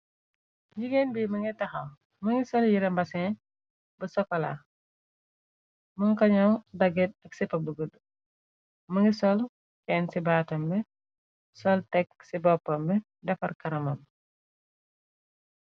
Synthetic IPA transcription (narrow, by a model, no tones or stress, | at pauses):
d͡ʒiɡenbiːmɐŋɡitɐxɐ | mɐŋɡisɔljiɾɛmbɐsɛ | bəsɔkːɔla̰ | mɐŋkɐɲɐwdɐɡɛt̚ɐk̚sɛpɐbəɡəd | mɐŋɡisɔl | kɛːnsibaːtɐmbɛ | sɔltɛksibɔpːɐmbɛ | dɐfɐrkɐɾɐmɐm